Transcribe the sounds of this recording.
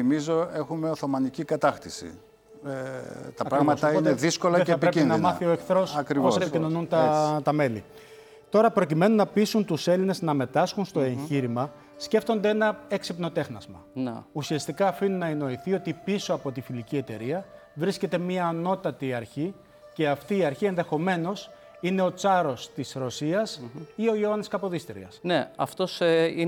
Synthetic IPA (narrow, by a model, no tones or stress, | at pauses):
imizo̞e̞xumeoθo̞mɐnicikɐt̪ɐxt̪isḭ | t̪ɐpɾɐɣmɐst̪ɐneðisko̞lɐeeɐpiɾeinɐmmɐθio̞e̞kθɾo̞sɐkɾivoosepicino̞nunt̪ɐt̪ɐme̞lḭ | t̪o̞ɾɐpɾo̞cime̞nunɐpisunt̪use̞line̞znɐme̞t̪ɐsxunst̪o̞e̞ɲçiɾimɐ | sce̞ft̪o̞nd̪e̞enɐeksipno̞t̪e̞xnɐzmɐ̰usiɐst̪ikɐːfinunɐeno̞iθio̞t̪ipiso̞ɐpo̞t̪ifilicie̞t̪e̞̰ɾiɐ | vɾisce̞t̪e̞miɐːno̞t̪ɐt̪iɐɾçi | ce̞ɐft̪iːɐɾçie̞nðe̞xo̞me̞no̞s | ine̞o̞t͡sɐɾo̞st̪isɾo̞siɐsio̞oɐniskɐpo̞ðist̪iɾ̰ɐ̰sneɐft̪o̞si